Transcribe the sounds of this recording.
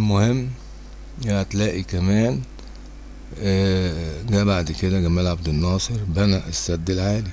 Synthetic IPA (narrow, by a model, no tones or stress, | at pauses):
lmohemː | ææt̪læːʔikæmæːn | ɡæbaʕd̪ked̪æɡæmæːlʕab̚d̪enːɑːsˤɨɾbænæʔesːæd̪ːelʕaːli